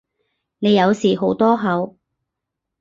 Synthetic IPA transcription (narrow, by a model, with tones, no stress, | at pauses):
ne˨˧jɐ˨˧wsiː˨˩ɦo˨˥wt̪ɔː˥ɦɐ˨˧w